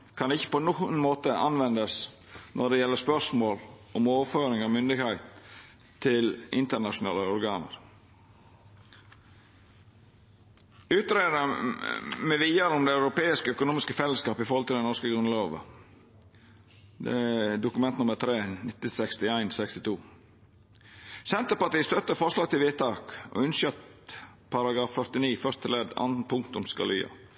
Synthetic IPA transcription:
kʰɑnɪçːə̥pɔnuːənmoːt̪əʔɑ̰nʋɛnd̪əs | nʔɔɖɛjɛlːəspœʂmoːlʔɔmoːʋəføːɾɪŋɑmʏnd̪ɪɡhæɪt̪ | t̪ʰːɪlʔɪnt̪əɾɳɑʂʊnɑ̰ːləɔɾɡɑːnə̰ɾ | ʉːt̪ɾeːd̪ | mɛʋiːɑɾʊmd̪ɛɑʉɾʊpeːɪskəœkʊnuːmɪskəfɛlːəskɑːpɪfoːhɔlt̪əlɛnɔʂskəɡɾʉnloːʋə̰ | d̪ɛ̰d̪ʊkʉmɛnt̪nʊməɾt̪ʰɾeːnɪt̪ːəsɛkst̪ɪæɪnsɛkst̪ɪt̪ʰuː | sɛnt̪əpɑʈiːst̪œt̪ːəfɔʂlɑːɡ̚t̪ɪlʋeːt̪ːɑːko̰ʉnʃœt̪ | pʰɑɾɑɡɾɑːffœɾt̪ɪniːfœʂt̪ʰɪlɛd̪ɑ̰nn̩pʰʊŋkt̪ʊmskɑ̰ly̰ːɑ̰

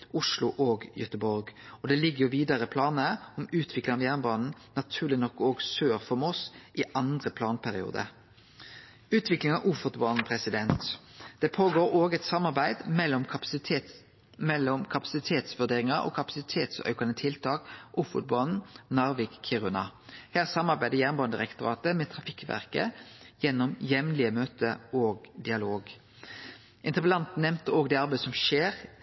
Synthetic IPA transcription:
ʔʊʂlʊʔoːɡjœt̪əbɔɾɡɔd̪ɛlɪɡːəjʊʋiːd̪ɑʁəpʰlɑːnəɔmʉːt̪ʰʋɪklɪŋɑʋjæːʁnbɑːnn̩nɑt̪ʰʉːʁlɪnɔkːoːɡsøːʁfɔmɔsʔɪʔɑnd̪ʁəpʰlɑːnpʰæʁɪṵːd̪ə̰ | ʉːt̪ʰʋɪklɪŋɑʋʔʊfɔt̪bɑːnn̩pʰʁɛsɪd̪ɛnt̪d̪̥ɛpʰoːɡoːɾoːɡɛt̪sɑmːɑʁbæɪd̪mɛlːɔm | mɛlːɔmkʰɑpɑ̥sɪt̪ʰeːt̪sʋʉd̪eːʁɪŋɑɔ̰kʰɑpɑsɪt̪ʰeːt̪sœ̰ʏkɑnət̪ʰɪlt̪ʰɑːkʔʊfɔ̰t̪̚bɑn̩nɑʁʋɪkʰːɪʁʉnɑ̰hæːʁsɑmːɑɾbæɪd̪əjæːʁnbɑnd̪ɪʁɛkt̪ʊʁɑːt̪əmɛːt̪ʰʁɑfɪkːʋæ̰ʁkə̰jɛnːɔmjɛmnlɪəmøːt̪əoːɡd̪ɪɑloːɡ | ʔɪnt̪əʁpəlɑnt̪n̩ɛmt̪əoːɡd̪ɛːɑʁbæɪəsɔmʃeːʁ

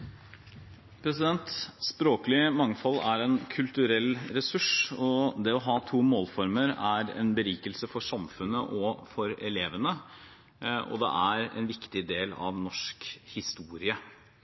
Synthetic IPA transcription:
pʰɾɛsɪd̪ɛnt̪spɾoːkəlɪmɑŋfɑlːæɾɛnkʰʉlt̪ʉɾɛlɾɛsʉʂɔd̪ɛɔɦɑːt̪ʰuːmoːlfɔɾməɾæɾɛ̰nbəɾiːkəlsəfɔʂɑmfʉnːə̰ʔɔfɔɾɛleːʋənə | ɔ̰d̪ɛ̰ʔæɾɛ̰nʋɪkt̪ɪd̪eːlɑ̰ʋnɔʂkhɪst̪uːɾɪə

